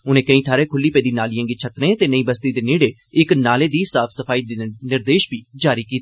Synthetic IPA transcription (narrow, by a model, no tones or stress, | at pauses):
ʊnẽːkəĩːt̪ʰaːɾeːkʰʊlːiːpeːd̪iːnaːlɪjãːŋɡiːt͡ʃʰət̪nẽːt̪eːnəĩːbəst̪iːd̪eːneːɽeː | ɪknaːleːd̪iːsaːpʰsəpʰaːiːd̪ɪnɪɾd̪eːʃbiːd͡ʒaːɾiːkiːt̪ː